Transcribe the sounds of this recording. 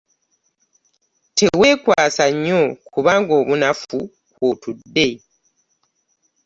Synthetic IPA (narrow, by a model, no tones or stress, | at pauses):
tʰe̞we̞ːkwaːsaɲːo̞kuβaːŋɡo̞ːβunafu | kwotudːe̞